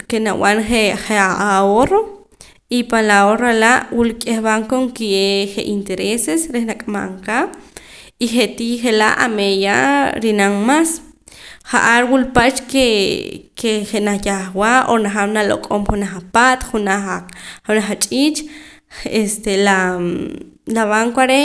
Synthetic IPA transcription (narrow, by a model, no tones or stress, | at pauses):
kenaw̰anχeχeaaoɾo | ipalaoɾalaʔwulkʼehβaŋkoŋkieχeʔint̪eɾesesɾehnakʼama̰ʔŋka | iχet̪iχela̰ʔa̰mejaɾinaŋmas | χa̰ʔaɾwulpat͡ʃkekeχenaχjaχwaʔonaχawnalo̰kʼomχunaχapat̪χunaχxunaχat͡ʃʼit͡ʃ | est̪ela | laβaŋkoaɾe